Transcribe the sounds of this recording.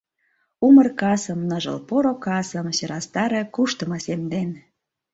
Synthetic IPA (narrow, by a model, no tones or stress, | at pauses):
umərkɑsəmnɤʒə̰lpoɾokɑsə̆mɕəɾɑst̪ɑɾekuʃt̪əmɑsemd̪en